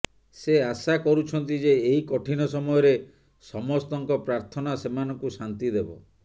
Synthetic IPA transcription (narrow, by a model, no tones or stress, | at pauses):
seasakɔɾut͡ʃʰɔnt̪id͡ʒeːɦikɔʈʰinɔsɔmɔjɔɾe | sɔmɔst̪ɔŋkɔpɾaɾt̪ʰɔnasemanɔŋkusant̪id̪ebɔ̰